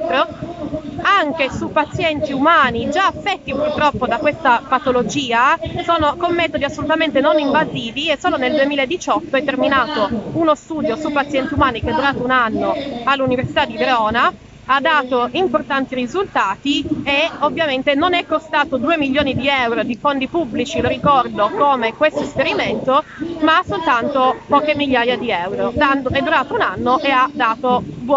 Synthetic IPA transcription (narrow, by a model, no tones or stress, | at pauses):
t̪ɾo | aŋk̟esupat̪sjɛnt̪iumaːnid͡ʒaafːɛt̪ːipurt̪ɾɔpːod̪akwest̪apat̪olod͡ʒiːasoːnokomːɛːt̪od̪iasːolut̪ament̪enoniɱvaziːviesːoːloneld̪uemiːlaed̪ːit͡ʃɔt̪ːoɛt̪ːerminaːt̪ounost̪uːd̪josupːat̪sjɛnt̪iumaːnik̟ead̪uɾaːt̪ounanːoalːuniversit̪ad̪ːid̪eɾɔːna | ad̪ːaːt̪oimport̪ant̪irizult̪aːt̪ieovːjament̪enonɛkːost̪aːt̪od̪uːemiʎːoːnid̪iɛwɾod̪ifond̪ipubːlit͡ʃiloɾikɔrd̪okomekwest̪oespeɾiment̪omasolt̪ant̪opɔːkemiʎːaːjad̪iɛwɾoanɛd̪ːuɾaːt̪ounanːoʔead̪ːaːt̪obu